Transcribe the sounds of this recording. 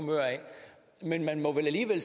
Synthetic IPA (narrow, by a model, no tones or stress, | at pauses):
møɐ̰ɛɪ | menmænmɒ̽ʋelæliːʋel̰s